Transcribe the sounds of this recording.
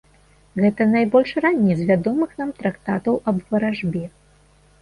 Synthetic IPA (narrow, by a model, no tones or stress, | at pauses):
ɣɛt̪ɐnajbɔlʲʂranʲːɛzvʲad̪ɔmɨxnamt̪ɾakt̪at̪ɐwʔɐbvɐɾaʐbʲɛ